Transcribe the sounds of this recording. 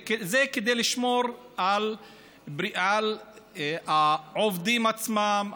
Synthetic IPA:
kezeked̪ejliʃmoɾ | ʕal | bɾiʔal | aʕovd̪imat͡smam

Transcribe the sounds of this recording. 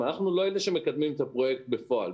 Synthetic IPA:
anaχnulo̞eleʃeme̞kad̪mimet̪apʁo̞je̞kt̪̚befo̞al

